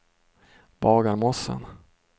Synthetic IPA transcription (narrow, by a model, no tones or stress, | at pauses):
b̥ɑːɡaɾmɔsə̰n